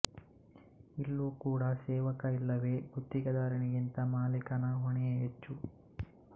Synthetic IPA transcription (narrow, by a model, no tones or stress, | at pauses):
ilːuːkuːɽɐsɛːʋɐkɐilːɐʋe̞ːbʱut̪ːiɡɐd̪aːɾɐɳiɡint̪ɐmaːlikɐnɐɦoɳijɐɦet͡ʃːu